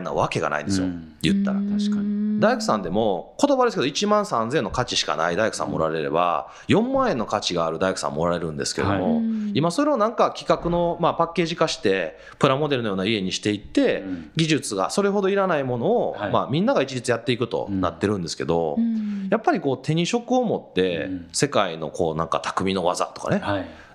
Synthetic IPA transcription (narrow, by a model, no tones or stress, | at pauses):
nːa̰βake̞ɡa̰na̰ḭ̃nd̪sɨjo̰ | jɯ̟̰t̪ːaɾa̰ | d̪aikɯ̟sãnd̪e̞mo̞ko̞t̪o̞bad̪esɨkeoit͡ɕimãɰ̃sãnzẽ̞nːokat͡ɕiɕi̥ka̰na̰id̪aikɯ̟̥sã̰mːoɾaɾe̞ɾe̞̰ba̰ | jõ̞mːãɰ̃ẽ̞nːo̞kat͡ɕiɡaːɾɯ̟d̪aikɯ̟̥sã̰m̰ːo̞ɾaɾe̞ɾɯ̟̃nd̪e̞̰sɨ̥ke̞ɾḛd̪o̰moimaso̞ɾe̞onãŋkakʲi̥kakɯ̟no̞mapakːe̞ːʑikaɕi̥t̪e̞ | pɯ̟ɾamo̞d̪e̞ɾɯnojoːnaie̞ɲ̟iɕi̥t̪e̞it̪ːe̞ɡʲiʑɨt͡sɨɡa̰so̞ɾe̞ɦo̞d̪o̞iɾanaimo̞no̞ːmamʲĩnːaɡait͡ɕid͡ʑit͡sɨjat̪ːeikɯ̟t̪o̞̰nat̪ːe̞ɾɯ̟̃nd̪e̞sɨ̥ke̞̰d̪o̞̰japːaɾʲiko̞ːt̪ʰe̞ɲ̟iɕo̞kɯ̟o̞mo̞t̪ːe̞se̞kaino̞̰ko̞̰ːnã̰ŋka̰t̪ʰḁkɯ̟mʲino̞βa̰za̰t̪o̥ka̰ne̞